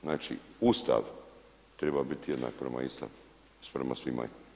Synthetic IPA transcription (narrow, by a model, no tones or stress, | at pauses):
znaːt͡ʃiust̪a̰ʋ | t̪ɾebabit̪jed̪na̰ːk̚pɾema̰ist̪a̰ʋ | spɾemasʋima̰